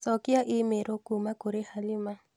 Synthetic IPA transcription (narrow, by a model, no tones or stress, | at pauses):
sɔkɪaʔɪmeɾokumakoɾehalima